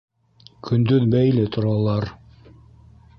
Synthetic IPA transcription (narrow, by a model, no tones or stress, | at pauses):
kʰɵ̆nd̪ɵðbæjlɘt̪ŏɾɑlˠɑɾ